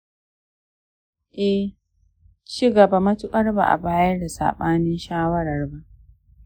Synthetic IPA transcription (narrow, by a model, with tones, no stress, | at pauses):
ʔɛ˦ | t͡ʃi˦ɡɐ˨ba˨mɐ˦tʊ˦kʼɐ˦rba̰˨ʔa̰˨baː˦jɐ˦rda˨sa̰ː˨ɓaː˦nɪ˦nʃaː˦wɐ˦ɽɐ˨rba˦ʔ